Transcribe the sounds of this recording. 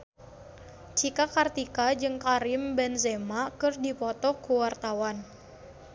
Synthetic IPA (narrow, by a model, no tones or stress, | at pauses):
t͡ʃikakart̪ikad͡ʒɨŋkaɾimbɛnzemakɨrdipɔt̪ɔkuwart̪awan